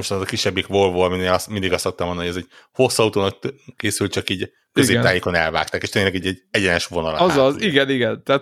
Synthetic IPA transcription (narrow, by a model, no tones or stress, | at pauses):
oʃt̪ːzɒkiʃːɛbːikvo̞lvoːɒmineːlɒsmind̪iɡɒst̪ːok̚t̪ɒmond̪nːojɛzɛɟho̞sːɒut̪oːnɒk̪̚keːsyltt͡ʃɒkiːɟ | køzeːpt̪aːjeːko̞nɛ̰lva̰ːk̚t̪aːkeːʃt̪eːɲlɛɡɛɟɛɟɛɟɛnɛʃʋo̞nɒl̰zɒziɡɛniɡɛnt̪ɛːt̪